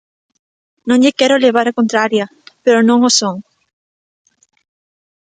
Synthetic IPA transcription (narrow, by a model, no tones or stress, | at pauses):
nõŋʎɪkɛɾoleβ̞aɾakõnt̪ɾaɾja | peɾonõŋosoŋ